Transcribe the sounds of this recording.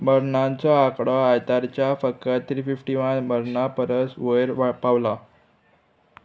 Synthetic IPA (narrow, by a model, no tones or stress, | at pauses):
məɾɳant͡saakɽəajt̪aɾt͡ɕjafəkət̪ʰɾiːfifʈiʋənməɾɳapəɾəsʋəjɾʋapaʋla